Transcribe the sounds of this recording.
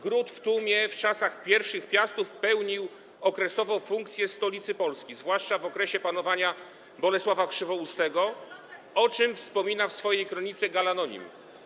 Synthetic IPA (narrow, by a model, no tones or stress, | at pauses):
ɡɾut̪ft̪umʲjɛft͡ʂasaxpʲjɛɾfʂɘxpʲjast̪ufpɛwɲiw | ɔkɾɛsɔvɔ̃w̃fuŋkt̪sʲjɛst̪ɔlʲit̪sɘpɔlskʲizvwaʂt͡ʂavɔkɾɛɕɛpan̪ɔvaɲa | bɔlɛswavakʂɘvɔust̪ɛɡɔ | ɔt͡ʂɘmfspɔmʲinafsfɔjejkɾɔɲit̪sɛɡalanɔɲḭm